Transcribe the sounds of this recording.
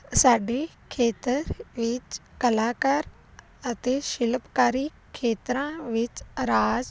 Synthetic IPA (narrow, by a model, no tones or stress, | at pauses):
saːɖe | kʰeːt̪əɾʋɪt͡ʃkɐlaːkaɾ | ɐt̪eʃɪlpkaːɾi | kʰeːt̪ɾãʋɪt͡ʃɾaːd͡ʒ